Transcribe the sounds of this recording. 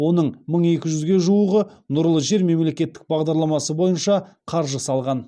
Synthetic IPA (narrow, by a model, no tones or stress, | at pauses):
wo̞nəɴməɴe̞kʲɪʒʏzɡʲe̞ʒuwəʁənʊɾlˠəʒe̞ɾme̞mle̞kʲe̞t̪ːɪ̥k̚bɑʁd̪ɑɾlˠɑmɑsəbo̞jənʃɑ | qʰɑɾʒəsɑlˠʁɑn